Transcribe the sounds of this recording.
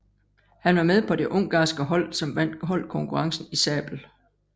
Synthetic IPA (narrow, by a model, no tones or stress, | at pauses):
hænʋɑ̈með̞ˠpʰɒ̽d̥e̝ʔɔ̽ŋ̰ɡ̥ɑ̈ːsɡ̥əɦɒ̽l̰sɒ̽mʋæn̰̥ɦɒ̽l̰kʰɔ̽ŋkʰuʁɑ̈ŋsn̩isɛ̰ːb̥l̩